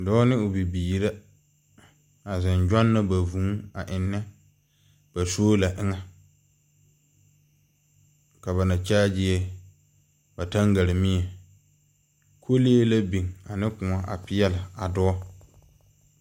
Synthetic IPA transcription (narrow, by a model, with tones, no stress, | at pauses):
dɔː˦nɪ˦ʊ˨bi˨biː˨ɾa˦ | a˨zɪ˨nd͡ʒᶣɔ˦nːa˦ba˨vũ˨˦a˨ʔɪ˨nːɛ˦ | b̥a˨soː˦la˨ʔɪ˦ŋa˦ | ka˨βa˨na˨t͡ʃaː˦d͡ʒɪ˦ɛ˦ | ba˨ta˦ŋɡa˨ɾɪ˨mɪ̃˦ɛ˨ | kʰo˦leː˦la˦bi˨ŋa˨nɪ˦kʊ˨a˦ʔa̰˨pɪ˦jɛ˦la˨a˨dɔ˦ɔ˦